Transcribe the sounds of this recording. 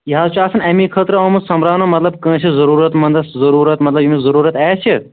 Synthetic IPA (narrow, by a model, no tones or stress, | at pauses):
jiɦaːzut͡ʃaːsɐnɐmĩkʰət̪ɾɐɐːmusɐmɾaːnomɐt̪lɐb̚kə̃ːt͡ʃʰizɐɾuːɾɐt̪mɐnd̪ɐszɐɾuːɾɐt̪mɐt̪lɐbjimizɐɾuːɾɐt̪ɛːt͡ʃʰi